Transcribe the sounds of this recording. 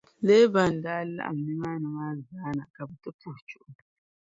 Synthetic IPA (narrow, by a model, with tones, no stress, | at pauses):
le˦ba˨n˨daː˦lːa̰˦ʔa̰˨m˨ni˦maː˦nɨ˨ma˦zzaː˨˦na˨ka˨bu˨to˦tu˦ht͡ʃu˦ʔʊ˨